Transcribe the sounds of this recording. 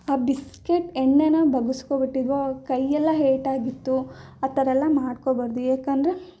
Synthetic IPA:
aːbiskeʈeɳːenɐbʱɐɡuskobiʈːid̪ʋokɐjːɛlːɐɦeːʈaːɡit̪ːuɐt̪ːɐɾɛlːɐmaːɖkobɐɾd̪ujeːkɐnd̪ɾe

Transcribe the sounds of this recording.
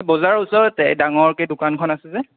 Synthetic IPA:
bɔzaɹusɔɹɛtɛdaŋɔɹkɛdʊkankʰɔnasɛzɛ

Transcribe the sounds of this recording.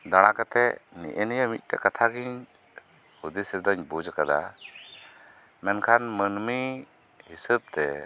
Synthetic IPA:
d̪aɽ̃akat̪ɛnḭʔenijamit̪̚ˀtɛkat̪ʰaɡiɲ | hud̪isiɾd̪ɔɲbud͡ʒakad̪a̰ | mɛnkʰanmənmi | hisəb̚t̪ɛ

